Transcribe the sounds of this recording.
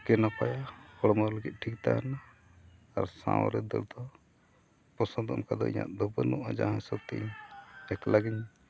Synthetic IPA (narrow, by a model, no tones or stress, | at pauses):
kɛnapajakɔɽmaləɡit̪̚ˀʈʰik̚t̪aanaː | ɾsã̰wɾɛd̪ɛ̰ld̪ɔ | pɔsãd̪ɔɔmkad̪ɔ̰ḭɲa̰ʔd̪ɔbənuʔad͡ʒa̰ɦãsəb̚t̪iʔɲɛk̪laɡiɲ